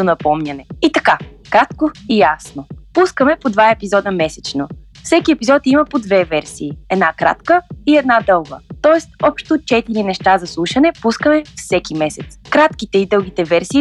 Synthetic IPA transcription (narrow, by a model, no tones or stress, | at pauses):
d̪onɐpɔmɲʲɐnɛit̪ɐkakɾat̪koijasnopuskəmɛpod̪vaɛpizɔd̪əmɛsɛt͡ʃno | fsɛkiɛpizɔt̪iməpod̪vɛvɛɾsiːɛd̪nakɾa̰t̪kəiɛd̪nad̪ɤlˠɡət̪ɔɛst̪̚ɔpʃt̪ot͡ʃɛt̪iɾinɛʃt̪azɐslˠuʃənɛpuskəmɛfsɛkimɛsɛt̪skɾat̪kit̪ɛid̪ɤlˠɡ̟it̪ɛvɛɾsiː